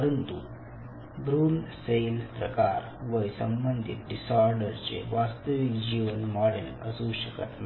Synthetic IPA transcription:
əɾənt̪u | bɾuːlselpɾəkaɾ | ʋəjsəmbənd̪ʱḭt̪̚ɖisaɾɖəɾt͡ɕḛʋast̪əʋikd͡ʑiʋənmɔɽelə̰suːɕəkət̪na

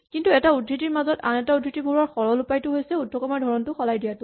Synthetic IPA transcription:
kintuɛtaudʱɹitiɹmazɔtanɛtaudʱitibʱoɹaɹxɔɹɔlupajtʊɦojsɛudʱːɔkɔmaɹdʱɔɹɔntʊxɔlajdijatʊ

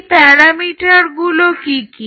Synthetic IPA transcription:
pɛɾamiʈaɾɡulokiki

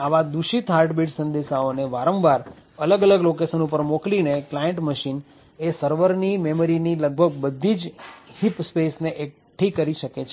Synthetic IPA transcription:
aʋad̪uʃit̪ɦaɾʈbiʈsə̃nd̪eʃaoneʋaɾə̃mʋaɾ | ələɡələɡlokesənupəɾmoklineklajeɳʈməʃin | esəɾʋəɾnimeməɾiniləɡ̚bʱəɡ̚bəd̪ʱːid͡ʒhipspesneʔek̚ | ʈʰikəɾiʃəket͡ʃʰ

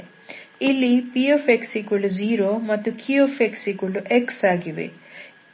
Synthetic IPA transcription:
ilːipiopʰeksikuluziːɾomɐt̪ːukʰiopʰeksikuluʔeksaːɡiʋḛ

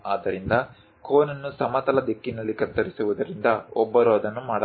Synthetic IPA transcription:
aːd̪ɐɾind̪ɐ | kʰoːnɐnːusɐmɐt̪ɐlɐd̪ekːinɐlːikɐɾt̪ɐɾisuʋud̪ɐɾind̪ɐɔbːɐɾɔːd̪ɐnːumaːɽɐ

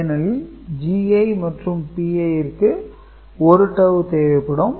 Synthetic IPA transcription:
nɐl | d͡ʒiːɐɪmɐʈrɯmpiːɐjɪɾkːɯ | ɔɾɯʈːɐʋɯt̪eːʋɐɪpːɪɽɯm

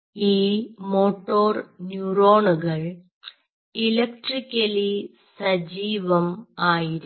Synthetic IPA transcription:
iːmoːʈːoːrnjuroːɳuɣɐɭ | ilɐk̚ʈrikʲːɐli | sɐd͡ʑiːʋɐmaːjiɾ

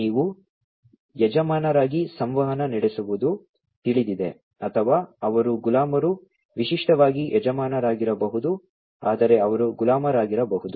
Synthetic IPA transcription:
niːʋu | jɛd͡ʒɐmaːnɐɾaːɡisɐmʋɐɦɐnɐniɽesuʋud̪u | t̪iɭid̪id̪e̞ | ɐt̪ʰɐʋaːɐʋɐɾuɡulaːmɐɾu | ʋiʃiʂʈɐʋaːɡiʔɛd͡ʒɐmaːnɐɾaːɡiɾɐbɐɦud̪u | aːd̪ɐɾe̞ɐʋɐɾuɡulaːmɐɾaːɡiɾɐbɐɦud̪u

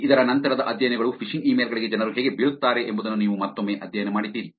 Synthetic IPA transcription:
id̪ɐɾɐnɐnt̪ɐɾɐd̪ɐʔɐd̪ʱjɐjɐnɛɡɐɭupʰiʂiŋɡiːmeːlɡɐɭiɡe̞d͡ʒɛnɐɾuɦɛːɡebiːɭut̪ːaːɾeʔembud̪ɐnːuniːʋumaːt̪ːomːeːʔɐd̪ʱjɐjɐnemaːɽid̪ːiːɾi

